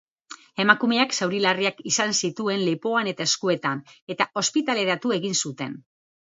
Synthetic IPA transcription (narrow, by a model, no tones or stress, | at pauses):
e̞makumeaksawɾilariakisansit̪ue̞nlepo̞ane̞t̪ae̞skue̞t̪ane̞t̪aʔo̞spit̪ale̞ɾat̪ue̞ɣinsut̪e̞̰n